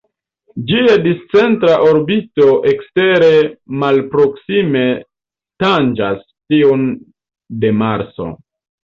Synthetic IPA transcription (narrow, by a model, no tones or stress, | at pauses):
d͡ʒiadist͡se̞ntɾaʔoɾbito̞ʔe̞kste̞ɾe̞malpɾo̞ksime̞ | tand͡ʒas | tiun | de̞maɾt͡so̞̰